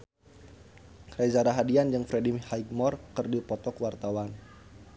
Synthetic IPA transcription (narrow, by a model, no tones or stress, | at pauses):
kɾazaɾaɦadiand͡ʒɨŋfɾedimhaiɡmɔrkɨrdipɔt̪ɔkəwart̪awan